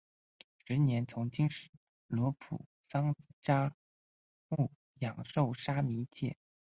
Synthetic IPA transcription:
ʂɻ̩˧˥njɛ˧˥nt͡sʰʊ˧˥ŋt͡ɕi˥ŋʂɻ̩˨˩ | lwɔ˧˥pʰṵ˨˩˦sɑ˥ŋʈ͡ʂa˥ | mu˥˩ | jɑ˨˩ŋʂo˥˩ʊʂa˥mi˧˥t͡ɕʰjɛ̰˥˩

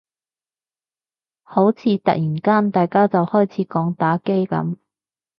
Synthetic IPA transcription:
ho˨˥wt͡sʰiː˨˥t̪ɐ̰˨k̚jiː˨˩nkaː˥nt̪aː˨jkaː˥t͡sɐ˨whɔː˥˩jt͡sʰiː˨˥kɔː˨˥ŋt̪aː˨˥ke˥jkɐ̰˨˥m

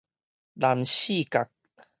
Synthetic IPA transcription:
laː˨˩mɕi˥˧˨ka˨˩k̚

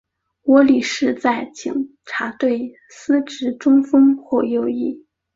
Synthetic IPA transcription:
wɔ˧˥li˨˩ʂɻ̩˥˧t͡sa˥˩ɪt͡ɕi˨˩ŋ | ʈ͡ʂʰa˧˥t̪we˥˩ɪ | sɹ̩˥ʈ͡ʂɻ̩˧˥ʈ͡ʂʊ˥ŋfɤ˥ŋxwɔ˥˧jo˥˧ʊi˥˩

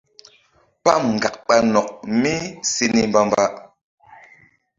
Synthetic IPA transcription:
pa˦˨mŋ̩˨ɡa˨k̚ɓa˦nɔ˨k̚mi˦si˦ni˦mba˦mba˦

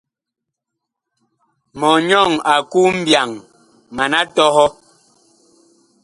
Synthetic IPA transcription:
mɔ˨ɲɔ˦˨ŋa˨ku˦m̩˦bja˨ŋ | ma˨na˦tɔ˦hɔ˦

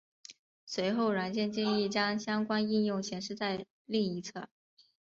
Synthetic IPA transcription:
swe˧˥ɪxo˥˩ʊɻa˧˥nt͡ɕjɛ˥˧nt͡ɕi˥˧ŋi˥˩t͡ɕjɑ˥ŋɕjɑ˥ŋkwa˥ni˥˧njʊ˥˩ŋt͡ɕʰjɛ˧˥nʂɻ̩˥˧t͡sa˥˧ɪ | li˥˩ŋi˧˥t͡sʰɤ̰˥˩

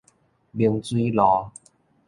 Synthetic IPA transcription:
bi˧əŋt͡swi˦lɔ˨˦

